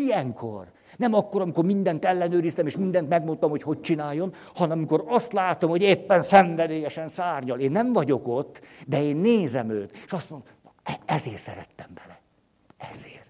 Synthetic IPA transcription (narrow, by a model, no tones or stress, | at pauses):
ijɛŋkʰo̰r | nɛmɒkːo̞ɾɒmiko̞rmind̪ɛnt̪ɛlːɛnøːɾist̪ɛmeːʃmind̪ɛnt̪mɛɡmo̞nt̪ɒmho̞cho̞c̚t͡ʃinaːjːo̞n | hɒnɛmɒmiko̞ɾɒst̪laːt̪o̞mho̞ɟeːpːɛnsɛɱvɛd̪eːjɛʃɛnsaːrɲɒleːnːɛɱvɒɟo̞ko̞t̪ːd̪ɛeːnːeːzɛmøːt̪eːʃɒst̪mond̪ | ɛɛzeːrsɛ̰ɾɛ̰t̪ːɛmbɛlɛ | ɛ̰z̥eːr